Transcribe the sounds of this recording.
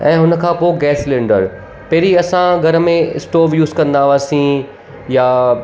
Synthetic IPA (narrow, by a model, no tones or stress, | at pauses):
ɛ̃ːɦʊnə̆kʰãːpoːɡɛːslẽːɳɖəɾ | pɐɦɾiɐsãɡʱɐɾəmẽɪ̰sʈoːʋjuːzkɐ̃nd̪aːʋaːsĩ | ja